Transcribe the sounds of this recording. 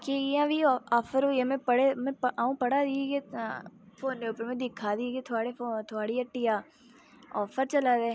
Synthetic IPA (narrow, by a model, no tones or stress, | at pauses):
keãbʱiɔːfəɾɦojemẽɐɽemɛ̃ʔaːũpɐɽad̪iɡe | foːnːeupəɾmẽd̪ɪkʰad̪iɡet̪ʰaːɽeot̪ʰoaːɽiɐʈːijaː | ɔːfəɾt͡ʃɐlad̪eː